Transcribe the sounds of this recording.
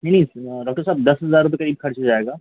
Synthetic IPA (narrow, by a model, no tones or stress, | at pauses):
nɐ̃nɐɦĩɖɔːk̚ʈəɾsaːbd̪ɐsɦɐzaːɾːʊp̬ekɐɾiːb̚xɐɾt͡ʃɦod͡ʒaːeːɡaː